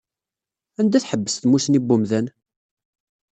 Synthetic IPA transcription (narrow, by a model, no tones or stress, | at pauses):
ænd̪æθħəbːə̥sθmusnibːumðæn